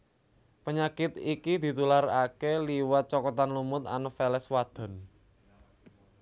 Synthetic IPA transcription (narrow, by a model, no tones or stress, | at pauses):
pəɲakɪt̪ikid̪̥i̤t̪ularakeliwat̪̚t͡ʃɔkɔt̪anlumʊt̪a̰nəfɛlɛswad̪̥ɔ̤n